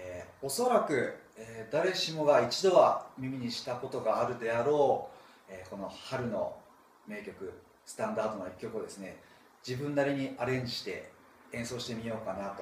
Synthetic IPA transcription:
eːo̞so̞ɾakɯ̟ | eːd̪aɾe̞ɕimo̞ɡait͡ɕid̪o̞βamʲimʲiɲ̟iɕi̥t̪ako̞t̪o̞ɡaːɾɯ̟d̪e̞aɾo̞ː | eːko̞no̞haɾɯ̟no̞ | me̞ːkʲo̞kɯ̟ | sɨ̥t̪ãnd̪aːd̪o̞noikʲːo̞kɯod̪e̞sɨne̞ | d͡ʑibɯ̟̃nːaɾʲiɲ̟iaɾẽ̞ɲ̟d͡ʑiɕi̥t̪e̞̰ | ẽ̞ɰ̃so̞ːɕi̥t̪e̞mʲijo̞ːkanat̪o̞

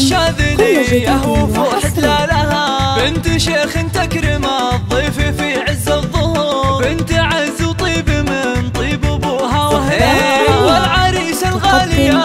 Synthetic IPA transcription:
ʃaːd̪ɪdiʔahwfuʔħɪt̪laːlahabɪnt̪ʃeːxɪnt̪akɾɪmaðˤːiːfifiʕɪzːaðˤːʊhbɪnt̪ʕɪzwt̪ˤiːbmɪnt̪ˤiːbʊbʊːɦawɪhaalʕaːɾiːsalɣaːlɪja

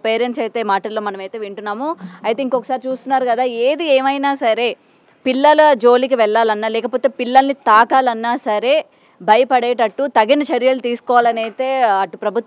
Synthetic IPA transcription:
peːɾenʈseɐjt̪eːmaːʈɐlːoːmɐnɐmɐjt̪eːʋiɳʈunːaːmuɐjt̪eiŋkokːɐ̥saːɾit͡ʃuːst̪unːaːɾukɐd̪aːeːd̪ieːmɐjnaːsɐɾe̞ː | pilːɐlɐd͡ʒo̞ːlikiʋɛɭːaːlɐnːaːlɛːkɐpo̞ːt̪e̞ːpilːɐlnit̪aːkaːlɐnːaːsɐɾe̞ː | bʱɐjɐpɐɽeːʈɐʈːut̪ɐɡinɐt͡ʃɐɾjɐlut̪iːsu̥kɔːʋaːlɐnɐjt̪e̞ːɐʈːupɾɐbʱut̪

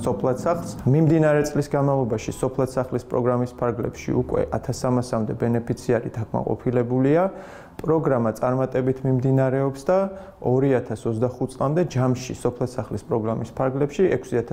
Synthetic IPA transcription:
sɔpʰlˠat̪saχlˠsmimd̪inaɾɛt̪sʼlisɡanmavlˠɔbaʃisɔpʰlˠat̪saχlispʼɾɔɡɾamispʰaɾɡlɛ̰pʃḭṵkʼwɛ̰ʔat̪ʰasamasamd̪ɛbɛnɛpʰit̪sʰiaɾḭd̪akʼma̰qʼɔ̰pʰilɛbulia | pʼɾɔɡɾamat̪sʼaɾmat̪ʼɛbit̪ʰmimd̪inaɾɛɔpsd̪a | ɔɾiat̪ʰasɔt̪zd̪aχut̪t̪sʼlˠa̰md̪ɛd͡ʒamʃisɔpʰlˠasaχlispʼɾɔɡɾamispʰaɾɡlɛpʃiɛkʰsiat̪ʰ

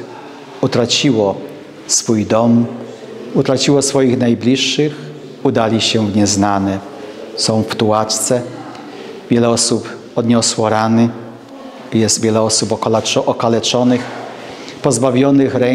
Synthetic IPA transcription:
ut̪ɾat͡ɕiwɔ | sfujd̪ɔm | ut̪ɾat͡ɕiwɔsfɔjixnajblʲiʂːɘx | ud̪alʲiɕɛvɲɛznanɛ | sɔ̃w̃ft̪uwat͡ʂt̪sɛ | vʲjɛlɛɔsup | ɔd̪ɲɔswɔɾanɘ | jɛst̪vʲjɛlɛɔsupɔɔɔkalɛt͡ʂɔnɘx | pɔzbavʲjɔnɘxɾɛ

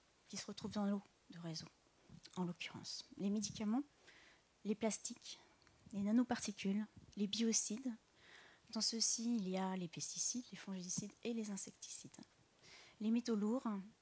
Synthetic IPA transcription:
kʲisəʁət̪χuvd̪ɑ̃lo | d̪əʁezõ | ɑ̃lɔkʲyʁɑ̰̃slemed̪ikʲamɑ̃ | leplast̪ik | lenanopaʁt̪ikʲylːebiɔsid̪ | d̪ɑ̃səsiːljalepɛst̪isid̪lefɔ̃ʒed̪isid̪elezɛ̃sɛkt̪i̥sid̪ | lemet̪oluʁ

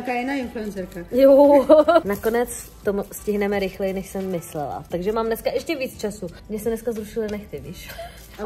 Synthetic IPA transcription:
akaːjɪnaːɪnfluɛnsɛɾkajo | nako̞nɛt͡s | t̪omuscɪɦnɛmɛɾɪxlɛjɪnɛʃsɛmːɪslɛ̰la̰t̪aɡʒɛmaːmdnɛskaʔɛʃcɛviːt͡st͡ʃasumɲɛsɛmdnɛskazɾuʃɪlɪnɛxt̪ɪviːʃ

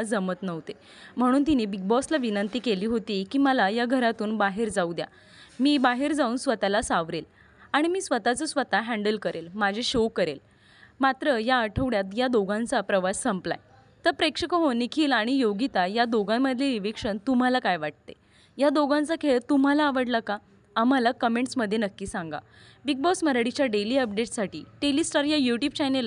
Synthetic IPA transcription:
d͡zəmət̪nəʋt̪e | m̤əɽ̃uːnt̪̬iniːbiɡ̚bɔslaʋinənt̪iːkeliːɦot̪iːkiːməlajaɡʱəɾat̪uːnbaɦeɾd͡zaud̪ja̰ | miːbaɦeɾd͡zauːnsʋət̪alasaʋɾel | aɽ̃imiːsʋət̪at͡səsʋət̪aɦæ̃ɳɖəlkəɾʔelmad͡ʑʱeɕokəɾḛl | mat̪ɾəjaəʈʰəʋɽjat̪jad̪oɡãnt͡sapɾəʋasːəmpla̰j | t̪əɾpɾekʂəkəɦonikʰiːlaɽ̃ijoɡit̪ajad̪oɡãmːəd̪ʱljeɾiʋikʂənt̪um̤alakajʋaʈ̚t̪e | jad̪oɡãnt͡sakʰeɭt̪um̤alaːʋəɽlaka | am̤alakəmeɳʈsməd̪ʱːjenəkːiːsãŋɡa̰ | biɡ̚bɔsməɾaɽit͡ɕjaɖeliːəp̚ɖeʈsaʈiːʈelisʈaɾjajuʈjub̚t͡ɕanel

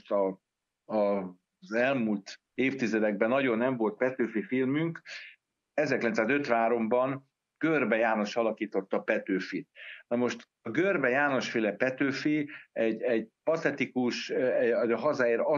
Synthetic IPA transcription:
t̪ɒ | ɒ | zɛlmult̪ | eːft̪izɛd̪ɛɡ̚bɛnːɒɟo̞nːɛɱvo̞lt̪̚pɛt̪øːfifilmyŋk | ɛzɛrklɛnsaːzøt̪ʋaːɾo̞mbɒn | ɡ̥ørbɛjaːno̞ʃɒlɒkiːt̪o̞t̪ːɒpɛt̪øːfit̪̚nɒmo̞ʃt̪ | ɒɡørbɛjaːno̞ʃfeːlɛpɛt̪øːfiɛɟɛɟpɒt̪ɛt̪ikuʃɒɦɒzaːeːɾɒ

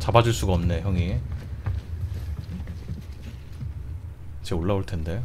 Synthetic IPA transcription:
t͡ɕabad͡ʑuɭs͈uɡaʌmne̞çjʌŋi | t͡ɕe̞oɭːaoɭtʰe̞nde̞

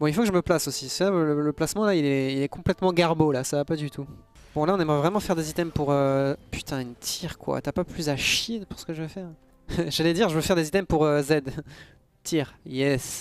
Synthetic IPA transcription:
bɔ̃ilfokəʒəməplasosisɛaələləplasmɑ̃lailɛɛilɛkɔ̃plɛt̪mɑ̃ɡaʁbolasavapad̪yt̪ʰu | b̥ɔ̃laɔ̃nɛmʁɛvʁɛmɑ̃fɛʁd̪ezit̪ɛmpuʁøpy̥t̪ʰɛ̃ynt̪ʰiʁkwa̰t̪yapaplyzaʃjid̪puʁsə̥kəʒəvøfɛːʁ | ʒ̥alɛd̪iʁʒəvøfɛʁd̪ezit̪ɛmpuʁøzɛd̪ | t̪ʰiʁjɛs

